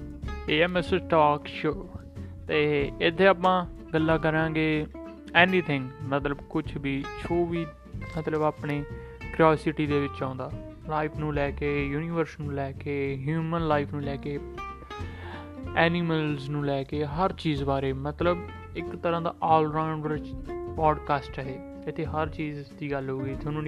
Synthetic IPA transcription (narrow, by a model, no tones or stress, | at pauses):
eːɛːmɛsəʈaːkʃoːt̪eːɪt̪ʰːeːaːpãːɡəlːaːk̬əɾãːɡeː | ɛːniːt̪ʰɪ̃ŋɡmət̪ləbkʊt͡ʃʰbiːt͡ʃʰoːʋiː | mət̪ləbaːpneː | kɾoːsɪʈiːd̪eːʋɪt͡ʃãːnd̪aː | laːɪpʰnũːlɛːkeːjuːniːʋəɾsnũːlɛːkeːɦjuːmənlaːɪpʰnũːlɛːkeː | ɛːnɪməlznũːlɛːkeːɦəɾt͡ʃiːzbaːɾeːmət̪ləb | ɪkt̪əɾãːd̪a̰ːʔɔːlɾãːɳɖəɾt͡ʃɔːɖkaːsʈəɦeː | ɪt̪ʰːeːɦəɾt͡ʃiːzd̪iːɡəlɦoːɡiːt̪ʰeʊñː